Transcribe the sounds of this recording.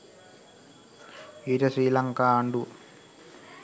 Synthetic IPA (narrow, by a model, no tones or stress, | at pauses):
iːɾɐsɾiːlɐŋkaːɐɳɖu